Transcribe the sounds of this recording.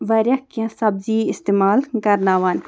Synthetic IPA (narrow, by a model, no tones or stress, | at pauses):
ʋɐɾʲɐkãsɐbziːɪst̪eːmaːlkɐɾnaːʋaːn